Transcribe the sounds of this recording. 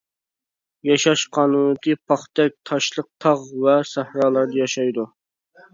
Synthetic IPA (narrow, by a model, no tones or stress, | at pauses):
jɑʃɑʃqʰɑːnunɨt̪ʰɨpʰɑχt̪ɛk̚ʲt̪ʰɑʃlˠəq̚t̪ʰɑʁvɛsæhɾɑːlˠɑɾd̪ɑjɑʃɑjd̪u